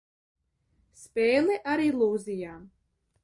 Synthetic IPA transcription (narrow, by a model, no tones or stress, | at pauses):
speːlˠɛʔaɾilˠuːzijaː